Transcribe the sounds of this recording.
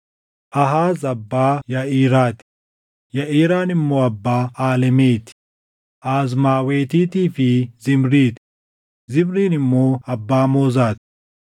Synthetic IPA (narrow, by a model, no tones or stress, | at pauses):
ʔɐɦaːzɐbːaːjɐʔiːɾaːt̪ɪ̥ | jɐʔiːɾaːnɪmːoːɐbːaːaːlɛmeːt̪ɪ | ʔaːzmaːweːt̪iːt̪iːfɪzɪmɾiːt̪ | zɪmɾiːnɪmːoːɐbːaːmoːzaːt̪ɪ̥